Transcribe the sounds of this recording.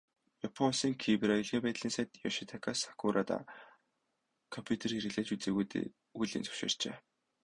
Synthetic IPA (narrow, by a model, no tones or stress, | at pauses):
japʰɔnsiːŋkʰipraiɮɣiːpæːt̪ɮiːnsæːt̪jɔʃit̪ʰakʰasḁkʰuɾʔat̪a̰ | kʰɔmpʰʲjut̪ʰerxiɾɘ̆ɮeːt͡ɕut͡seːɣujt̪ḛ | ujɮḭːnt͡sɵ̥wʃḛːr̥t͡ɕḛː